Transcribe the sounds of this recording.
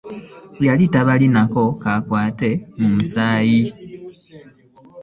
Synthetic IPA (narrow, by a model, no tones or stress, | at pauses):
βalitaβalinako̞kakwaːte̞mumusaːji